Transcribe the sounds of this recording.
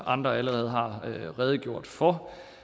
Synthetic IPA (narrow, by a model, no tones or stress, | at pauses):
ʔɑ̈nd̥ʁɐæləʁɛːð̞̩ˠɦɑ̈ʁɛːð̞ˠəɡ̥jo̝ɐ̰d̥fɒ